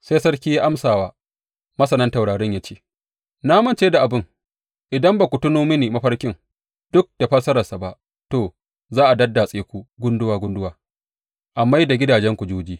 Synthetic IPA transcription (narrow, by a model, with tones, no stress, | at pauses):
se˦sɐ˦rkʲiː˦ja˦ʔa˦msaː˨waː˦ | mɐ˦sɐ˨nɐ˦nta˨wɽaː˨ɽɛ˦ɲjaː˦t͡ʃeː˦ | naː˦mɐ˦nt͡ʃeː˦da˨ʔa˨bɪ˦ŋ | ʔɪ˨dɐ˦mba˨kʷu˨tʊ˦noː˦mɪ˦niː˨mɐ˦ɸɐ˦rkʲɪ˦ŋ | d̥ʊ˦k̚d̥a˨ɸɐ˦sɐ˦ɾɐ˨sa˨ba˦ʔ | toː˨ | zaː˦ʔa˨dɐ˦dːa˨sʼeː˦kʷu˦ɡʷʊ˦ndʊ˦waː˨ɡʷʊ˦ndʊ˦waː˨ | ʔa˨mːa˦jda˨ɡʲɪ˦daː˨d͡ʒɛ˦ŋkʷu˨d͡ʒoː˦d͡ʒiː˦